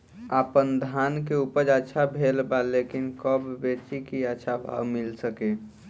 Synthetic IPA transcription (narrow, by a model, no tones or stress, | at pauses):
apənd̪ʱank̬eupəɾd͡ʒətːʃʰabʱelbalekinkəbːet͡ʃikiətːʃʰabʱa̰wmilsəke